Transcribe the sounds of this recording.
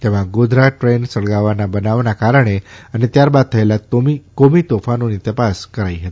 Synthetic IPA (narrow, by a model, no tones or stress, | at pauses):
t̪eʋãɡod̪ʱɾaʈɾensəɽɡaʋanabənaʋnakaɾəɳ̃eanet̪jaɾbad̪̚t̪ʰəelaoikomit̪ofanonit̪əpaskəɾaiɦet̪i̥